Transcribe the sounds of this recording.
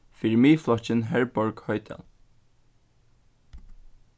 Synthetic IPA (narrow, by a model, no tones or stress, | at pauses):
fɪɹmiːflɑçənɦæɹbɔɹɡ̥hœʏt̪ʰɛ̰l